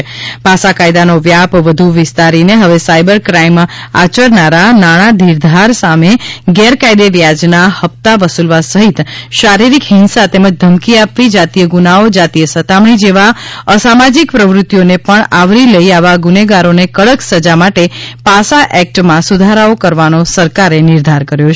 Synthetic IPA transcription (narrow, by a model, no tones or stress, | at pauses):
pasakajd̪anoʋjapʋəd̪ʱuʋɪst̪aɾineɦəʋesajbəɾkɾaima̰t͡ʃəɾnaɾanaɽ̃ãd̪ʱiɾd̪ʱaɾsameɡɛɾkajd̪eʋjad͡ʒnahəp̚t̪aʋəsulʋasəɦit̪ʃaɾiɾikɦɪnsat̪eməd͡ʒd̪ʱəmkiapʋid͡ʒat̪ijəɡunaod͡ʒat̪iəsət̪amɳ̃id͡ʒeʋaəsamad͡ʒikpɾəʋɾʊt̪ːjonepəɳaʋɾiləiaʋaɡuneɡaɾonekəɭəksəd͡ʒamaʈepasaʔɛk̚ʈmãsud̪ʱaɾaokəɾʋanosəɾkaɾenɪɾd̪ʱaɾkəɾjot͡ʃʰ